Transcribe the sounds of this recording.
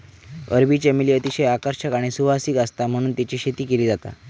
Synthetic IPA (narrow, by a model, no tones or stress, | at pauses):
ə̰ɾbit͡ɕamiliət̪iɕəjakəɾɕəkaɽ̃isuʋasiːkast̪am̤əɽ̃uːnt̪at͡ɕiɕet̪iːkeliːd͡zat̪a̰